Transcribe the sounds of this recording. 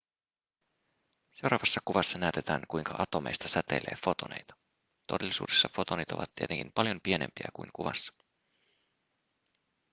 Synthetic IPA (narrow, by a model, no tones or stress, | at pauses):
se̞wɾɑʋɑsːɑkuʋɑsːɑnæyt̪e̞t̪æːŋkujŋkɑʔɑt̪o̞mḛjst̪ɑsæt̪e̞̰leːfo̞t̪o̞nejt̪ɑ̥ | t̪o̞delːisṵːdesːɑfo̞t̪o̞nit̪o̞̰ʋɑ̰t̪ːiet̪eŋkimpɑljo̞mpiene̞̰mpiæ̰kujŋkuʋɑ̰sːɑ̥